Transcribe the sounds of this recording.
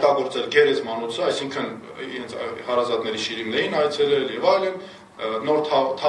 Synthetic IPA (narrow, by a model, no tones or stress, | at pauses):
t̪ɑɡɔɾt͡sɛlɡɛɾɛt͡smɑnut͡sʰəɑjsiŋkʰən | ḭɾɛnt͡sʰhɑɾɑzɑt̪nɛɾiʃiɾimnɛjinɑjt͡sʰɛlɛljɛvɑjlən | nɔɾt̪ʰɑt̪ʰɑ